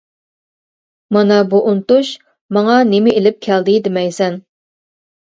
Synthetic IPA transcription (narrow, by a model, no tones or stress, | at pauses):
mɑnɑbuʔunt̪uʃ | mɑŋɑnemɪelɪp̚kʲʰæld̪ɪd̪ɪmɛjsɛn